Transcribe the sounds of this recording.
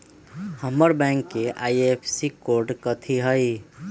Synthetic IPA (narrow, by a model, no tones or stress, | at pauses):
həməɾbɛ̃ŋkːeʔaiepʰsikoɾɖkət̪ʰiɦəj